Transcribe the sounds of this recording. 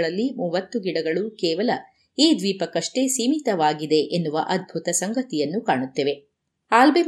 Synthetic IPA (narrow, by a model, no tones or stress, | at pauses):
ɭɐlːimuːʋɐt̪ːuɡiɽɐɡɐɭukɛːʋɐlɐ | iːd̪ʋiːpɐkɐʂʈe̞ːsiːmit̪ɐʋaːɡid̪e̞ʔenːuʋɐʔɐd̪̚bʱut̪ɐsɐŋɡɐt̪ijɐnːukaːɳut̪ːeːʋe̞ | aːlbe